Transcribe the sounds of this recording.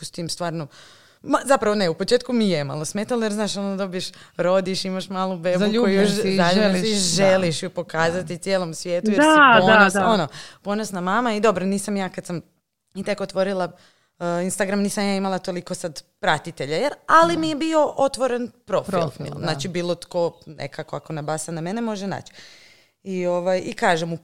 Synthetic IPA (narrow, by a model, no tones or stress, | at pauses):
pust̪ijemst̪ʋaːɾno | mazapɾaʋoneupot͡ʃeːt̪̚kumijema̰lˠosmet̪alojeɾznaːʃonod̪o̞bijeʃɾo̞d̪iʃimaʃmaːlubeːbuojujoʃaʎuiʒeliʃjupo̞kaːzat̪it̪sjeːlˠo̞msʋjet̪ujeaonosonopo̞nosnamaːmaid̪o̞bɾoniːsamjaːkad̪sam | it̪ekot̪ʋo̞ɾilˠa | inst̪aɡɾamniːsamjaːimalˠat̪o̞liko̞sad̪pɾat̪it̪e̞ʎajeɾalimijebio̞ʔo̞t̪ʋo̞ɾenpɾo̞fḭl̰lznaːt͡ʃibiːlˠot̪ko̞nḛkakoako̞nabasaname̞nemo̞ʒena̰ːt͡ʃi̥ | ioʋajikaːʒemu